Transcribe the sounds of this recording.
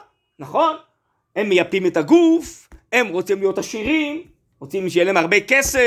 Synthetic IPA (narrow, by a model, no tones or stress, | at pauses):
naχo̞n | e̞mːejapimetaɡufe̞mʁot͡simlijo̞t̪haʃiʁim | ʁot͡simʃejeleemaʁbekese